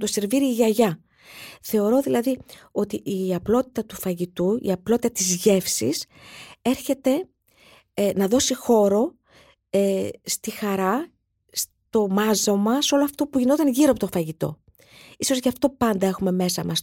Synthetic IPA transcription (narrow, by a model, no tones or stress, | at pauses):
d̪o̞se̞ɾviɾiːʝɐʝɐ | θe̞o̞ɾo̞ðilɐðio̞t̪iiɐplo̞t̪i̥t̪ɐt̪ufɐʝit̪uḭɐplo̞t̪it̪ɐt̪izʝe̞fsḭs | e̞ɾçe̞t̪e̞ | nɐðo̞sixo̞ɾo̞ | est̪ixɐɾɐ | s | t̪o̞mɐzomɐso̞loɐft̪o̞puʝino̞t̪ɐnʝiɾoɐpo̞t̪ofɐʝit̪o̞̰ | iso̞zʝɐft̪o̞pɐnd̪ɐe̞xume̞me̞sɐ̰mɐs